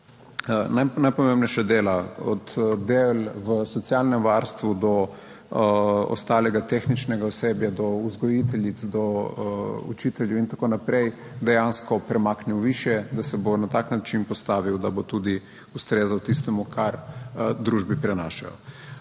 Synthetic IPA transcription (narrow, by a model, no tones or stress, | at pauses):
najnajpɔmemnɛʃɛd̪eːlaɔt̪d̪elʋəsɔt̪sjalnɛmʋaɾst̪ʋud̪ɔ | ɔ̰st̪aːlɛɡat̪exnit͡ʃnɛɡaɔsebjad̪ɔuzɡɔjit̪ɛljit̪sd̪ɔ | ṵt͡ʃit̪ɛljuint̪akoːnapɾɛj | d̪ɛjanskɔpɾɛmaːkniwʋiʃjɛd̪asɛbonat̪aknat͡ʃinpɔst̪aːʋiwd̪abot̪ud̪i | ust̪ɾeːzawt̪ist̪ɛmukʰaɾd̪ɾuʒbipɾɛna̰ːʃa̰jɔ̰